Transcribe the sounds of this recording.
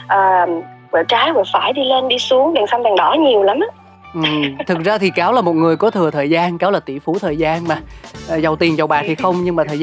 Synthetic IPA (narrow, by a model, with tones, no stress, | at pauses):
ʔəː˨˩m | vɔ˧˩t͡ɕaː˨˦jvɔ˧˩faː˧˩jɗi˧le˧nɗi˧su˨˦əŋɗa˨˩ŋsa˧ŋ͡mt̪a˨˩ŋɗɔ˧˩˦ɲi˨˩əwla˨˦mʔa˨˦ | ʔɨ˨˩t̪ʰɨ˨˩k̚zaː˧t̪ʰi˨˩kaː˨˦wlaː˨˩mo˨˩t̚ŋɨ˨˩əjkɔ˨˦t̪ʰɨ˨˩ət̪ʰəː˨˩jzaː˧nka˨˦wlaː˨˩t̪ḭ˧˩fu˨˦t̪ʰəː˨˩jzaː˧nmaː˨˩ʔːzə˨˩wt̪i˨˩ənzə˨˩wɓaː˨˩t̪ʰi˨˩xə˧wŋ͡mɲɨ˧ŋmaː˨˩t̪ʰəː˨˩